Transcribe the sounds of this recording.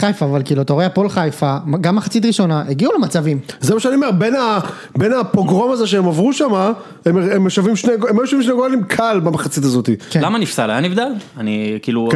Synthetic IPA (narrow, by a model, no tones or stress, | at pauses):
χajfaːvalkiːluat̪aoeapolχajfamɡamːaχat͡sit̪̬ʁiʃo̞naʔeɡiule̞mat͡savimzemaʃeaniome̞ʁbe̞na | be̞napoɡʁomazeʃ̬eemavʁuʃama | emeemjoʃavimʃneɡemajuoʃavimʃ̬neɡoelimkʰalbameχat͡sit̪azo̞t̪ikelamanifsalajanivd̪alanikiːlu